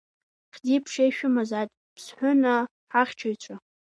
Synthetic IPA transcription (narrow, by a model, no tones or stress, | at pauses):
χʲdʲipʰʂejʃᶣʊmazatʼ | pʰsħʷʊna | ħaχʲt͡ʃʰojt͡ɕʷʰa